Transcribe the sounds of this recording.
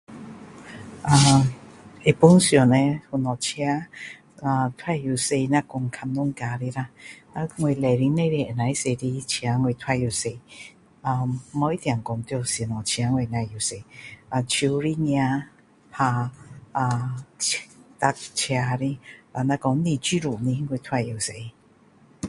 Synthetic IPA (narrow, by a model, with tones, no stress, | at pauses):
ʔa˨ | e˨pu˧˦nsjɔ˨nɛ˧˨hu˨nɔ˨t͡ɕʰi˧a˦ | a˧t̪ʰwa˥˧˨ju˨se˧na˧kɔ˧˨ŋkʰa˧mnu˦˨ŋka˧˨ɾi˧˨ɾa˧na˧ŋwe˧˨lɛ˨ɾi˧˦ne˥˧˨ɾe˧˨ə˨nã˨˦i˦se˧˨ɾi˧˦t͡ɕʰi˧a˨˧˦ŋwe˧˨t̪ʰwa˧˨ju˧˨se˧˨ | a˧mɔ˧˦i˦t̪jã˨ŋkɔ˨˧˨ŋt̪jo˧˨si˨˩˨nɔ̃˨t͡ɕʰja˧˦ŋwe˧˨na˧˨ju˨se˧˨ʔa˧t͡ɕʰu˧ɾi˦ɲjã˧ | pʰa˧a˧ | t̪a˧k̚t͡ɕʰja˧ɾi˧a˧˨nã˧kɔ˧˦ŋ˦nĩ˧˨t͡ɕi˦ɾu˨ni˧˦ŋwe˧t̪ʰwa˧˨ju˨˧˨se˧˨